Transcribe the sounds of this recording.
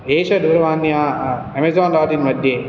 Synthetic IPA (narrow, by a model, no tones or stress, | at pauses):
eːʃɐd̪ʱuɾɐʋaːnjaː | emezaːnɾaːt̪inmɐd̪ʱje